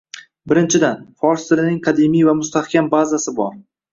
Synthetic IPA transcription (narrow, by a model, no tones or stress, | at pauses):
bɪɾɪnt͡ʃʰɪd̪anfɒɾst̪ɪɾɪnɪŋqʰɑd̪emijvamʊst̪ahkʲʰambazasɪbɒ̰ɾ